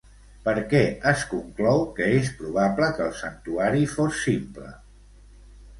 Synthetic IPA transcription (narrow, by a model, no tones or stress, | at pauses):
pəɾkɛəskuŋklɔwkəespɾuβapləkəlˠsənt̪uaɾifosːimplə̰